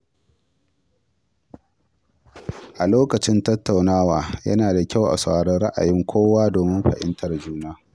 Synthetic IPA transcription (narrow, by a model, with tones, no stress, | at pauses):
ʔa˨loː˦kɐ˨t͡ʃɪ˦ntɐ˦tːa˨wnaː˦waː˨jɐ̰˦naː˨da˨kʲa˦˨wʔa̰˨sa˨ɽɐ˦nɽɐ˦ʔa̰˨jɪ˦ŋkʷʰoː˦waː˦doː˨mɪ˦mɸɐ̰˨ʔɪ̰˦ntʰɐ˨rd͡ʒuː˦naː˦